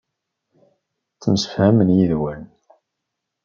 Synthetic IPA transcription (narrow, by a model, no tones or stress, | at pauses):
t͡sːəmsə̥fhæmənjiðwæn